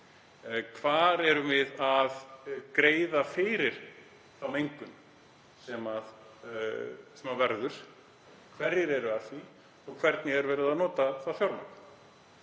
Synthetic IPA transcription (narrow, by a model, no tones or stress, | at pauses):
kʰvaːɾɛɾʏvɪðaðkɾeːjðafɪɾɪɾ̥ | θawmejŋkʏn | sɛmað | sɛmavɛɾðʏɾ̥ | kʰvɛɾjɪɾɛɾʏaðθi | ɔɣkʰvɛɾt̪nɪɛɾvɛːɾɪðaðnɔːt̪aθaðfjawɾmak